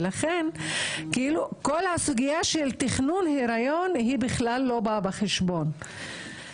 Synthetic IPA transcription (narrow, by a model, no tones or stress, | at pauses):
laχenkiilukolhasuɡijaʃelt̪iχnunheɾajonhibiχlalːo̞babaχeʃbo̞n